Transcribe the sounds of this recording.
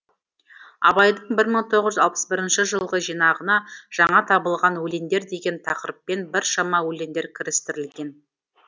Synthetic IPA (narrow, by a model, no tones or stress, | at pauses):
ɑ̰bɑjd̪əɴbɪɾməɴt̪ʰo̞ʁəzʒʏzɑlˠpə̥sbɪɾɪnʃɪʒəlˠʁəʒijnɑʁənɑʒ̥ɑɴɑt̪ʰɑbəlˠʁɑnwɵle̞nd̪e̞ɾd̪e̞ɡʲe̞nt̪ʰɑqɾəpːe̞nbɪɾʃɑmɑwɵle̞nd̪eɾkʲʰɪɾɪst̪ɪɾɪlɡʲe̞n